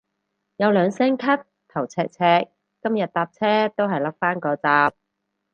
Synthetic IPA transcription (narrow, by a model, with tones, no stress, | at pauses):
jɐ˨˧wlœː˨˧ŋsɛː˥ŋkʰɐ˥t̚ | t̪ʰːɐ˨˩wt͡sʰɛː˧k̚t͡sʰɛː˧kː | ɐ˥mjɐ˨t̪̚t̪aː˧p̚t͡sʰɛː˥t̪o˥wɦɐ˨jlɐ˥k̚faː˥nkɔː˧t͡saː˧p̚